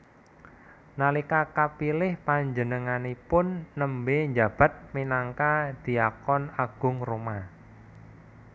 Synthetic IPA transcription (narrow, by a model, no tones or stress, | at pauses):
nalikakapilɪhpaɲd͡ʒənəŋanipʊnːəmbeɲd͡ʒa̤b̥a̤t̪̚minaŋkad̪̥i̤akɔnaɡ̥ʊ̤ŋruma